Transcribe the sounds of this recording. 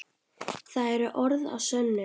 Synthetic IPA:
θaðɛɾʏʔɔɾða̰vsœnːʏ

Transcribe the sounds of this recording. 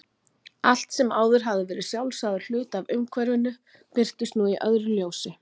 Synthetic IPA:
al̥t̪sɛmaːwðʏɾ̥ɦavðɪvɛːɾɪsjawlsaðʏ̥l̥ʏːt̪avʏmkʰvɛɾvʏnʏ | pɪr̥t̪ʏst̪nuiʔœðɾʏljoːwsɪ

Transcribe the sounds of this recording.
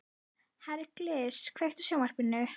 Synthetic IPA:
haɾɛɾklɪskʰveht̪ʏ̥sjowmar̥pɪnːʏ

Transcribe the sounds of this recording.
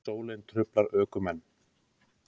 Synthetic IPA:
oːwlɪnt̪ʰɾʏplaɾœːkʏmɛnː

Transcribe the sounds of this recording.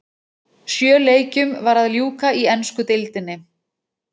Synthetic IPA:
sjœːleːjcʏmvaɾaðljuːkaiɛnskʏt̪ɪlt̪ɪnːɪ

